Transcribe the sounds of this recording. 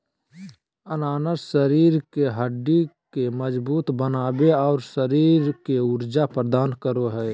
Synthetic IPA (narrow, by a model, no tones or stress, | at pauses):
ənaːnəsəɾiːɾkeɦəɖːikeməd͡ʒbuːt̪bənaːbeɔːɾsəɾiːɾkeuɾd͡ʒapɾəd̪aːnkəɾoɦɛː